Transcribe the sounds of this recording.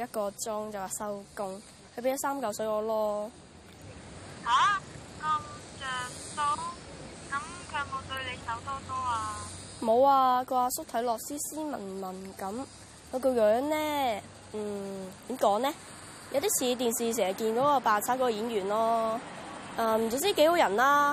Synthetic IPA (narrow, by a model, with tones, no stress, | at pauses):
jɐ˥t̚kɔː˧t͡sʊ˥ŋt͡sɐ˨waː˨˩sɐ˥wkʊ˧ŋ | kʰɵ˧p̬e˨˥jɐ˥saː˥mkɐ˨˥wsɵ˨˧ɥɔː˨˧lɔː˥ | haː˨˥kɐ˧mt͡ʃœː˨ŋt̪o˥wkɐ˧mkʰœː˧k̚mo˨˩t̪ɵ˧ɥle˨˧jsɐ˨˧˩wt̪ɔː˥t̪ɔː˥aː˧ | mo˨˧waː˧ko˧waː˧sʊ˥t̪ʰɐ˨˥jlɔː˨k̚siː˥siː˥mɐ̰˨˩nmɐ˨˩nkɐ˨˥m | kɔ˨˧ko˧wjœː˨˧˥ŋnɛː˥ | m̩ː˨˩t̪iː˨˥mkɔː˨˥ŋnɛː˥ | jɐ˨˧wt̪iː˥t͡sʰiː˨˧˥t̪̬iː˨nsiː˨s̬ɛː˨˩ɦɐ˨˩kiː˧nkɔː˨˥kɔː˧paː˨˧nt͡sʰaː˨˥kɔ˧˥˧jiː˨˥njyː˨˩nlɔː˥ | ʔaː˧m̩˨˩t͡so˨˧wt͡siː˥ke˨˧˥jho˨˧˥jɐ˨˩nlaː˦˥